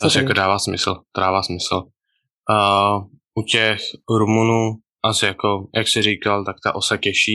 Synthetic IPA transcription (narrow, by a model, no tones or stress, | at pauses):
t̪asɛakodaːvaːsmɪ̰sl̩t̪odaːvaːsmɪsl̩ | ʔucɛxɾumunuː | ʔasɪjakojʔaksɪɾiːkalt̪akt̪a̰ʔosakɛʃiː